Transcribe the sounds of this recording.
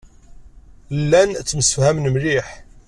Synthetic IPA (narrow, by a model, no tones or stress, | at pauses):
lːænt͡sːməsəfhæmnmliħ